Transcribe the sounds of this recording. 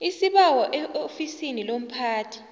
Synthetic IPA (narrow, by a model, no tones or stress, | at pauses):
isiɓawɔʔɛʔofisinilom̩pʰaːtʰi̥